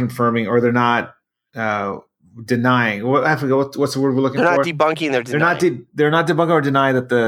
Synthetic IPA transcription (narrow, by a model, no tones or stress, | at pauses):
ɨ̃ɱfɜ̃˞mɪ̃ŋə˞ðə˞nət̚ | ʌ | dɨnaɪɪ̃ŋwʌafəɡwʌtwʌtsðəwɜ˞d̚wiɹlʊkɪ̃ənə˞d̥ibʌ̃ŋkɪ̃ŋðə˞dðə˞nət̚d̥iðə˞nət̚d̥ɨbʌ̃ŋkɪ̃ŋə˞dɨnaɪɪ̃ŋðɨt̪̚ðɨ